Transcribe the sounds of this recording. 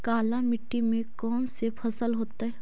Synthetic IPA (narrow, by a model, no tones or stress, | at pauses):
kaːlãmɪʈːimẽkɔːnsepʰɐsəlɦoːt̪aɦɛː